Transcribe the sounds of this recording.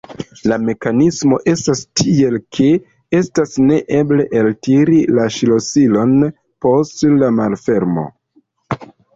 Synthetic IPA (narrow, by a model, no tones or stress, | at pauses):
lame̞kanismo̞ʔe̞stastʰie̞lkʰe̞ | e̞stasne̞ʔe̞ble̞ʔeltiɾilaʃilo̞silo̞n | po̞stlamalfe̞ɾmo̞̰